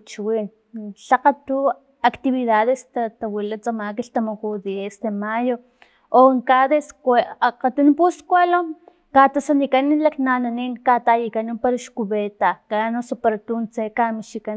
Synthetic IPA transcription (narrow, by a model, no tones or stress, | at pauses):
t͡ʃiwin | ɬaqat̪u | akt̪iβiðaðest̪at̪awilat͡samakiɬt̪amakuðiesd̪emajo | oŋkaðesqat̪unpuskʷalom | kat̪asanikanilaknananinkat̪ajikanipaɾaʃkuβet̪akanosopaɾat̪unt͡sekamiʃika